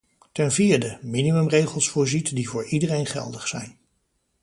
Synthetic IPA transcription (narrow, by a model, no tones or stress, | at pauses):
tɛnviːɹdəminimɵmrejχəlˠsfʊːɹzitdivʊːɹidərejnχɛ̰lˠdəχsɛjn